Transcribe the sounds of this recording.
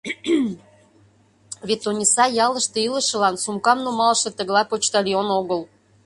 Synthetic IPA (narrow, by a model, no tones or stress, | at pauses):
βet̪ːonʲisɑjɑləʃt̪eilə̆ʃə̆lɑnsumkɑmnumɑlʃɤ̆t̪ə̆ɣlɑpot͡ɕt̪ɑlionoɣəl